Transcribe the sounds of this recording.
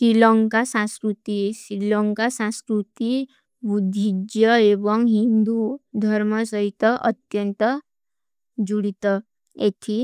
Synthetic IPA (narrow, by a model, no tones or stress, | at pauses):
sɾilɔŋkasãskɾut̪isɾilɔŋkasãskɾut̪i | bud̪ʱːid͡ʒjəebɔŋɦind̪ud̪ʱəɾməsəit̪əʔət̪jənt̪ə | d͡ʒuɽit̪ə | et̪ʰi